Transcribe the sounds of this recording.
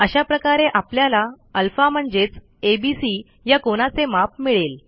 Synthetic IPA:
əɕapɾəkaɾeʔapljala | əlfam̤əɳd͡zet͡s | ebisi | jakoɽ̃at͡semap̚miɭel

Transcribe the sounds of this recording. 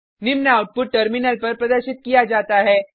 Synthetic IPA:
nimnaːuʈ̚puʈʈəɾminəlpəɾpɾəd̪əɾɕit̪̚kijad͡zat̪aɦɛ

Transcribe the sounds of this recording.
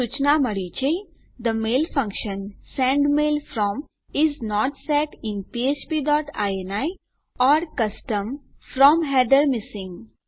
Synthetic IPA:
sut͡ʃnamɐɽit͡ʃe | d̪əmeːlfɐ̃ŋkʃə̃nsɛ̃ːɳɖmeːlfɾɔːm | ɪznɔːʈsɛːʈɪ̃npiet͡ʃpiːɖɔːʈa̰ːjenaːi | ɔːɾkɐsʈə̃m | fɾɔːmɦɛːɖəɾmɪsɪ̃ŋɡ

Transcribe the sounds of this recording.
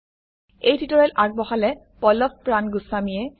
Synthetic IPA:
ejdʰitɔɹɛlʔaɡ̚bɔxalɛ | pɔlɔp̚pɹanɡusamiɛ

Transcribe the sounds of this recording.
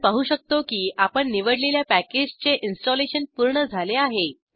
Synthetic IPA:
paɦuːɕək̚t̪okiːapəɳːiʋəɽleljapæked͡ʑt͡seʔinsʈɔleɕənpuɾɳəd͡zʱaleaɦe

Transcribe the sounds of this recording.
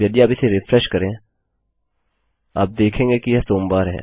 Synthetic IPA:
ɐɖ̪iaːpɪseɾɪfʰɾɛʃkɐɾẽ | a̰ːp̚d̪eːkʰẽːŋɡekijɛsoːmbaːɾɦɛ̰ː

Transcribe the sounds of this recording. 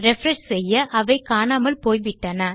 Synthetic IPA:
ɾɛfɾɐnssɛjːɐʔɐʋɐɪkaːnaːmɐlpoːjʋɪʈːɐnɐ

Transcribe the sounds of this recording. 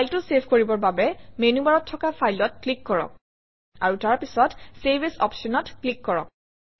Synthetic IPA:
pʰajltʊsebʰʱkoɹibɔɹbabɛmenubaɹɔtʰːɔkapʰajlɔtklikːɔɹɔ̰k̚ | aɹutaɹpisɔtsebesɔ̰psɔnɔtklikːɔɹɔ̰k̚

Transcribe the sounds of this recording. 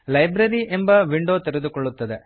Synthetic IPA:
lɐjbɾɐɾiʔembɐʋiɳɖoːt̪eɾed̪ukɔɭːut̪ːɐd̪e̞

